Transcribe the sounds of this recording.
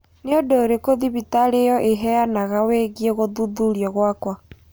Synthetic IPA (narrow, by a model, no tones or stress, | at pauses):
neodoːɾekoðiβitaɾejɔʔeɦɛjanaɣaweɣieɣoðuðuɾjɔɣwakwa